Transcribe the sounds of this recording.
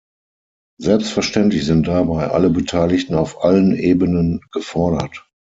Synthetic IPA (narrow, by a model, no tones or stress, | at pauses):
zɛlpstfɛɐʃtɛntlɪçz̥ɪnt̚d̥abaɪʔa̰ləbətʰaɪlɪçtn̩aʊfʔalənʔeːbənənɡ̥əfɔɐɾɐ̰t